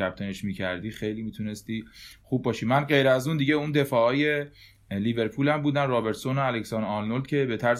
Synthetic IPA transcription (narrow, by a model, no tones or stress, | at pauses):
æp̚t̪ʰeneʃmiːcʰæɾd̪iːxe̞jliːmiːt̪ʰune̞st̪iːχuːb̚ːɒːʃimænɢe̞jɾæzund̪iɟeund̪e̞fɒːɒːje̞ | liːbe̞ɾpʰuːlæmbuːd̪ænrɒːbe̞ɾt̪sonoæleksɒnɒlnold̪̚cʰe̞be̞t̪ʰæɾs